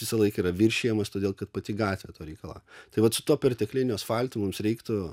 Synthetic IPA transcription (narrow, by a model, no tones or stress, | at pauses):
ʋʲɪsɐlˠɐɪkɐiːɾɐʋʲɪɾʲʃʲejɛmɐst̪oːd̪ʲeːlˠkɐt̪pɐt̪ʲɪɡɑːt̪ʲʋʲeːt̪oːɾʲɛɪkɐlˠɑ̰ːt̪ɐɪʋɐt̪sʊt̪uɔpʲɛrʲt̪ʲɛklʲɪnʲoːsfɑlʲt̪ʊmʊmsɾʲɛɪkt̪ʊ